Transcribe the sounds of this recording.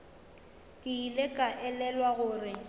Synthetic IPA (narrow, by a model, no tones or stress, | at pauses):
kʼɪilekʼaʔɛlɛlwaɣʊːrɪ